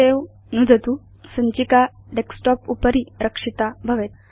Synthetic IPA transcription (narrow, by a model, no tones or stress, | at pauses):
ew | nud̪ʱət̪u | səɲt͡ɕika | ɖeksʈɔpupəɾiɾəkʂit̪abʱəʋet̪̚